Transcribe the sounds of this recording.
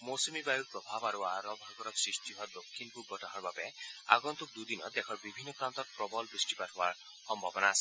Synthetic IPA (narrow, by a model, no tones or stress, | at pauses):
mosɔmibajuɹpɹɔbʱabaɾuaɾɔbʱaɡɔɾɔksɹistiɦɔad̪okʰːinpubʱːɔtaɦɔɹbabɛa̰ɡɔnt̪uk̚d̪ud̪inɔ̰d̪ɛkʰɔɹbibʱinːɔkɹant̪ɔt̚pɹɔbɔlbɹisʈipatʰɔwaɹ | xɔmbʱabɔnaːsɛ